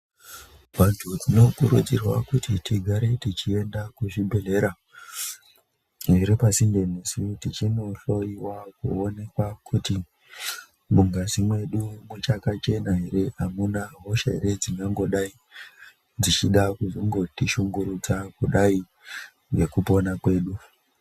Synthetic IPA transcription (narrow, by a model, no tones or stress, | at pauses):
ʋantʰud͡zino̞kuɾud͡zirwa̰kutitiɡʱaɾetit͡ʃie̞ndakuʐibʱe̞ɮe̞ɾa | ɦeɾepasindenisitit͡ʃino̞ɬo̞iwakṵone̞kwakʰuti | ɓuŋɡazimwe̞ɗumut͡ʃakat͡ʃe̞naɦeɾe̞amunaɦo̞ʃaḛɾe̞d͡ziŋɡaŋɡoɗai | d͡zit͡ʃiɗakuzoŋɡo̞tiʃuŋɡuɾut͡sakuɗai | ʐe̞kupo̞nakwe̞ːɗu